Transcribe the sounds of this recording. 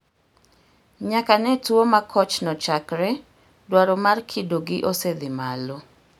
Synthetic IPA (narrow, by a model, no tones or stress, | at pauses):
ɲakanɛtuomakʰɔt͡ʃnɔt͡ʃakɾɛ | dwaɾɔmarkʰidoɡɪʔosed̪ɪmalo